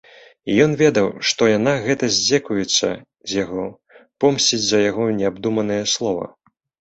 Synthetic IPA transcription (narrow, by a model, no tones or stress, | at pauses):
ijɔnvʲɛd̪ɐwʂt̪ɔjanaɣɛt̪ɐzʲd͡zʲɛkujɛt̪sːɐ̰ | zʲjaɣɔ | pɔmsʲt͡sʲid͡zʲzɐjaɣɔnʲɛabd̪umɐnɨjɐslˠɔvɐ̰